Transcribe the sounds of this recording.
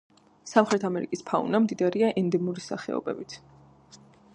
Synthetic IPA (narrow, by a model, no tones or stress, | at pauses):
samχɾɛt̪ʰamɛɾikʼispʰaṵnamd̪id̪aɾiaʔɛnd̪ɛmuɾisa̰χɛ̰ɔ̰bɛ̰bit̪ʰ